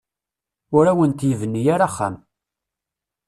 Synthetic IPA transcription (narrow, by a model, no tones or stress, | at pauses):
ʊɾæwənt̪jəvənːijaɾaχːa̰m